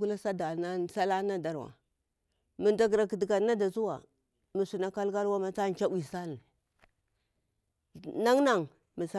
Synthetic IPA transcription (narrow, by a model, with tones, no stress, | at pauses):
ɡu˦la˦sa˦da˨na˦sa˦la˦na˦da˦ɾwa̰˨ | mi˨nda˨ɡɾa˨ki˨dɡa˨na˦da˨zu˦wa̰˨ | mi˨su˨na˨ka˦lka˦lwa˦ma˨t͡sa˦n˨t͡ʃa˦wi˨sa˦li˨ | na˦ŋna˦˨ŋ | mi˨sa˦